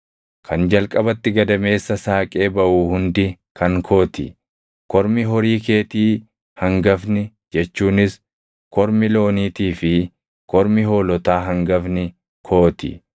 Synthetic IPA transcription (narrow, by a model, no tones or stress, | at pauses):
kʰɐnd͡ʒɐlkʼɐbɐt̪ːɪɡɐd̪ɐme̞ːsːɐsaːkʼe̞ːbɐʔuːhʊnd̪ɪ | kʰɐŋkʰo̞ːt̪ɪ̰ | kɔɾmɪɦɔɾiːk̬e̞ːt̪iː | hɐŋɡɐfnɪ | d͡ʒɛt͡ʃːuːnɪs | kɔɾmɪlo̞ːniːt̪iːfɪ | kʰɔɾmɪɦo̞ːlɔt̪aːɦɐŋɡɐfnɪ | kʰo̞ːt̪ɪ̰